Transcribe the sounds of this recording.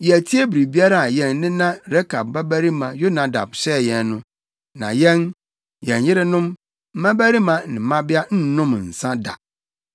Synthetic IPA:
jɛ˨æ˨tʰi˦e˦bi˨ɾi˨bi˦a˦ɾa˦a˨jɛ̃˨n˨nɪ̃˦nã˦ɾɛ˦kʰa˨b̚ba˦bæ˦ɾi˦mã˨jo˦nã˨da̰˨bɕɛ˦˨jɛ̃˨nːʊ̃˦ | nã̰˨jɛ̃˦n | jɛ̃˨njɪ˦ɾɪ˦nʊ̃˦m | m̩˦mã˦bæ˦ɾi˦mã˨nɪ̃˨mã˦bɪ˦a˦n̩˦nʊ̃˦m˨n̩˨sã˦da̰˨

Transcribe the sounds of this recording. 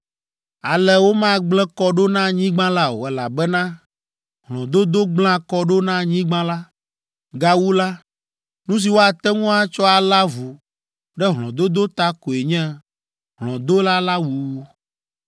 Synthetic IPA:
a˨lɛ˨wo˦mã˦ɡ͡blɛ˦kɔ˦ɖo˦nã˦ɲĩ˦ɡ͡bã˦la˦o̰˨ɛ˨la˨bɛ˦nã˦ | ɦlɔ̃˨d̪o˦d̪o˦ɡ͡bl̃ã˦kɔ˦ɖo˦nã˦ɲĩ˦ɡ͡bã˦la˦ | ɡa˦wu˦la˦ | nũ˦s̬i˨wo˦a˨t̪ɛ˦ŋũ˦a˦t͡ʃɔ˦a˨la˦vu˨ | ɖɛ˦ɦl̃ɔ̃˨d̪o˦d̪o˦t̪a˦ko˨e˨ɲɛ̃˦ | ɦlɔ̃˨d̪o˦la˦la˦wu˨˦

